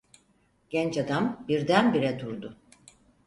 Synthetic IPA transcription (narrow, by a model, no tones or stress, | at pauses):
ɟ̥ɛnt͡ʃad̪ambiɾd̪ænbiɾɛd̪uɾd̪ʊ